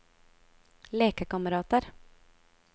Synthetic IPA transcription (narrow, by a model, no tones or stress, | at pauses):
leːkəkɑməɾɑːt̪əɾ